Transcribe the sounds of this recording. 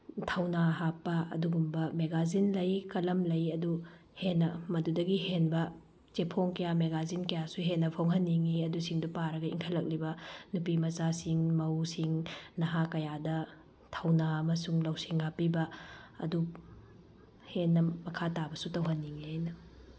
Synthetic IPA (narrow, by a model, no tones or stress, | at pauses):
tʰɐwnaɦapːɐɐ̰duɡumbɐmeɡazinlɐjkɐlɐmlɐjɐdu | henːɐmɐdudɐɡiɦenbɐ | t͡ʃepʰoŋkɐjameɡazinkɐjasuɦenːɐpʰoŋɦɐnːiŋiɐdusiŋdupaɾɐɡɐḭŋkʰɐlːɐk̚libɐnupimɐzasiŋmɐwsiŋnɐɦakɐjadɐ | tʰɐwnaɐmɐsuŋlɐwsiŋhapːibɐɐ̰du | henːɐmɐkʰatabɐsutɐwɦɐnːiŋihajnɐ